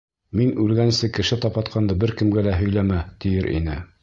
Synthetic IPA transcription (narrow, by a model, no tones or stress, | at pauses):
minʉlɡænsɘkɘ̆ʃɘt̪ɑpɑt̪qʰɑnd̪ɤbɘɾkɘ̆mɡælæɦɵ̆jlæmæt̪ijɘɾʔḭnɘ̰